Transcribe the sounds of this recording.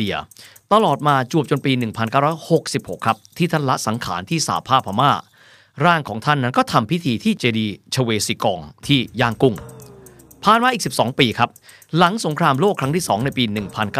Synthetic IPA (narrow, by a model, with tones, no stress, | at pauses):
i˧ɐt̪a˧lɔː˨˩t̪̚maː˧t͡ɕu˨˩əp̚t͡ɕo˧npiː˧nɯ˨˩ŋpʰa˧nkaː˥˩ɾɔː˦˥jho˨˩k̚si˨˩p̚ho˨˩kʰːɾa˦˥p̚t̪ʰiː˥˩t̪ʰa˥˩nla˦˥ʔsa˩˦ŋkʰa̰ː˩˦nt̪ʰiː˥˩sa̰ː˩˦pʰaː˥˩pʰa˧maː˥˩ | ɾaː˥˩ŋkʰɔ̰ː˩˦ŋt̪ʰa˥˩nːa˦˥nkɔː˥˩t̪ʰa˧mpʰi˦˥t̪ʰiː˧t̪ʰiː˥˩t͡ɕeː˧diː˧t͡ɕʰa˧weː˧siː˨˦˩kɔː˧ŋt̪ʰiː˥˩jaː˥˩ŋku˥˩ŋ | pʰaː˨˩nmaː˧ʔiː˨˩k̚si˨˩p̚sɔ̰ː˩˦ŋpiː˧kʰa˦˥p̚ | la˩˦ŋso˩˦ŋkʰɾaː˧mloː˥˩kʰɾa˦˥ŋt̪iː˥˩sɔː˩˦ŋna˧jpiː˧nɯ˨˩ŋpʰa˧nkaː˥